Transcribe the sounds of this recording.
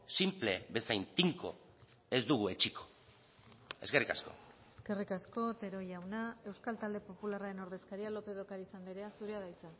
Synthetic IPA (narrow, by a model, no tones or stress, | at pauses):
simple̞be̞sajnt̪iŋko̞̰ | e̞zd̪uɣue̞t͡ʃikʰo̞̥ | e̞ske̞rikasko̞̰e̞ske̞rikasko̞t̪e̞ɾo̞jawnae̞wskalt̪ald̪e̞po̞pularaɾe̞no̞ɾðe̞skaɾialo̞pe̞ð̞o̞kaɾisand̪iɾeasuɾeaðajt͡sa